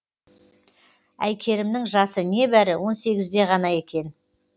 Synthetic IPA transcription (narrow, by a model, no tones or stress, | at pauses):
æ̰jkʲʰe̞ɾɪmnɪŋʒɑsəne̞bæɾɪwo̞nse̞ɡʲɪzd̪e̞ʁɑnɑje̞kʲe̞n